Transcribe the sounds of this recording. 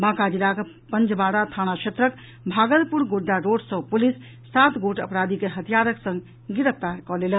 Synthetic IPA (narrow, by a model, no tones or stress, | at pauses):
bãkad͡ʒilake | pənd͡ʒbaɽat̪ʰañakʰet̪ɾək | bʱaɡəlpuɾɡoɖːaɾoɖsə̃pulisː | at̪ɡoʈə̰pɾad̪ʱikeɦət̪ijaɾəksə̃ŋɡ | ɡiɾəp̚ʰt̪aɾkɔlelən